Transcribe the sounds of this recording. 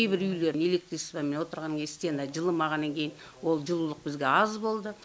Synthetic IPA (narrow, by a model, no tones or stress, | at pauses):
ejbɪɾʏjle̞ɾɪne̞lʲe̞k̚t̪ɾisbɑmenwo̞t̪əɾʁɑnkʲest̪end̪ɑd͡ʒəlˠəmɑʁɑnːɑŋkʲʰe̞jɪnn | wo̞lˠʒəlˠulˠəq̚bɪzɡʲe̞ɑzbo̞lˠd̪ə